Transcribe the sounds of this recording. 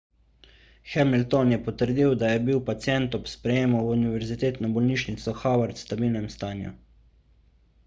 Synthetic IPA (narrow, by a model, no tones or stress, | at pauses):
xɛmilt̪ɔnjɛpɔt̪əɾd̪iwd̪ajɛbiwpat̪sjɛnt̪ɔpspɾɛjeːmɔwuniʋɛɾzit̪eːt̪nɔbɔlniʃnit̪sɔxawaɾt̪st̪abiːlnɛmst̪aːnjṵ